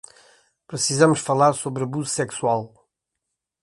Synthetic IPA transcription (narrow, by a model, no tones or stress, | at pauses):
pɾɨsizɐmuʃfɐlˠaɾsoβɾɐβuzusɛkswalˠ